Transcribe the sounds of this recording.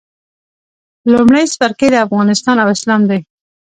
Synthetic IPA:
lumɽajspaɾkejd̪əafɣɑnɪst̪ɑnawɪslɑmd̪aj

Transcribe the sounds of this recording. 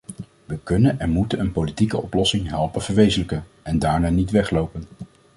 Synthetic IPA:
ʋəkɵnənɛnmutənənpowlitikəɔplɔsɪŋɦɛlˠpənv̥əɹʋejzələkə | ɛndaːɹnaːnitʋɛχlowpən

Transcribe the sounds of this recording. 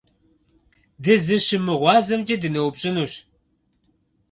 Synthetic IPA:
dɨzɨʃɨmɨʁʷɑːzɐmd͡ʒʼɐdɨnɐwupɕʼɪnuɕ

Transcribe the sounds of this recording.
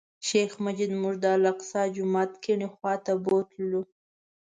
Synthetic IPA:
ʃexmad͡ʒid̪muʐd̪əlaqsɑd͡ʒʊmɑt̪kiɳixwɑt̪abot̪lu

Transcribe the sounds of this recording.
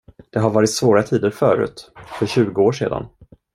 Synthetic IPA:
d̪̥ɛɦaɾvɑːɾɪt̪svoːɾat̪ʰiːd̪əɾfœːɾʉ̟̰ːt̪fœɾɕʉ̟ːɡəoːʂḛːd̪a̰n

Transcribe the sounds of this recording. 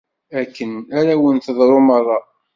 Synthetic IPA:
ækːənaɾawənθəðˤɾˤomərˤːɑ

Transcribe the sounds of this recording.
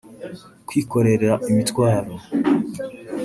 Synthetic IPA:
kwiːko̞ɾe̞ɾeɾaʔimitkwaːɾo

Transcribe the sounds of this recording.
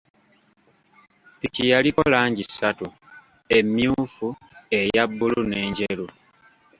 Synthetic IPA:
picijalikolaːɲɟisːatu | e̞mjuːfu | e̞jabːulune̞ːɲɟelu

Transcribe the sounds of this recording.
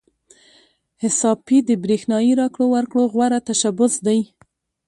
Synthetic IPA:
hɪsɑpid̪əbɾexnɑjiɾɑkɽowaɾkɽoɣwaɾat̪aʃabʊsd̪aj

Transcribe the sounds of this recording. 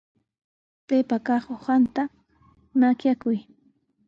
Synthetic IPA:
pepakɑχohant̪a | nakjakʊj

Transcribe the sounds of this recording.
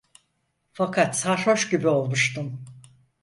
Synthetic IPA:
fakʰat̪saɾho̞ʃɟibio̞lˠmuʃt̪ɯm

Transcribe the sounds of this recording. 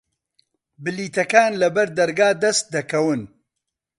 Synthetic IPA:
bɨliːt̪ɐkaːnlɐbɐɾd̪ɐɾɡaːd̪ɐst̪̚d̪ɐkɐwɨn

